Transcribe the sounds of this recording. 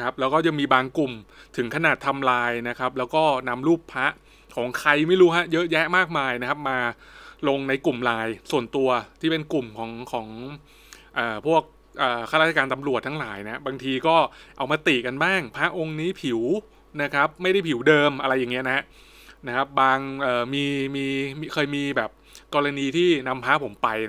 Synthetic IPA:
kʰa˦˥p̚lɛː˦˥wkɔː˥˩t͡ɕa˨˩miː˧baː˧ŋku˨˩mt̪ʰɯ˩˦ŋkʰa˧naː˨˩t̪ʰːa˧mlaː˧jna˦˥kʰa˦˥p̚lɛː˦˥wkɔː˥˩na˧mluː˥˩pʰːa˦˥ʔ | kʰɔː˩˦ŋkʰa˧jma˥˩jɾuː˦˥ɦa˦˥jɤ˦˥ʔjɛ˦˥ʔmaː˥˩k̚maː˧jna˦˥kʰa˦˥p̚maː˧lo˧ŋna˧jku˨˩mlaː˧jsu˨˩ənt̪u˧ɐt̪ʰiː˥˩pe˧nku˨˩mkʰɔː˩˦ŋkʰɔː˩˦ŋ | ʔɤː˨˩pʰu˥˩ək̚ | ʔɤː˨˩kʰaː˥˩ɾa˥˩a˧kaː˧nt̪a˧mɾu˨˩ət̪ʰaː˦˥laː˩˦jna˦˥baː˧ŋt̪ʰiː˧kɔː˥˩ʔa̰˧wmaː˧t̪iː˨˩ka˧nbaː˥˩ŋpʰaː˦˥ʔo˧ŋniː˦˥pʰi˨˩˦w | na˦˥kʰa˦˥p̚ma˥˩jda˥˩jpʰi˩˦wdɤː˧mʔa˧ɾa˧jːaː˨˩ŋːi˦˥ɐ˨na˦a˦˥ʔ | na˦˥kʰa˦˥p̚baː˧ŋʔɤː˨˩miː˧miː˧kʰɤː˧jmiː˧bɛː˨˩p̚kɔː˧ɾa˧niː˧t̪ʰiː˥˩na˧mpʰaː˦˥pʰo˩˦mpa˧j

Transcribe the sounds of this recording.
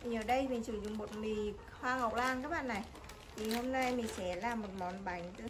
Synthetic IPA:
əː˨˩ɗə˧jmï˨˩ŋ̟sɨ˧˩˦zʊ̰˧˨ŋ͡mmo˨˩t̚mi˨˩ | hwaː˧ŋa˨˩wk͡p̚laː˧ŋkaː˨˦j̚ɓa̰ː˧˨nːa˨˩j | t̪ʰi˨˩ho˧mna˧jmï˨˩ŋ̟sɛ˧˦laː˨˩mo˨˩t̚mɔ˨˦nɓa˨˩˦jŋ̟t̪ɨ˧˦

